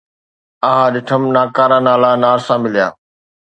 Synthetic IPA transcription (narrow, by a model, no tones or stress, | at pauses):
aɦãɗɪʈʰəmnaːkaːɾaːnaːlanaːɾsãmɪlija̰ː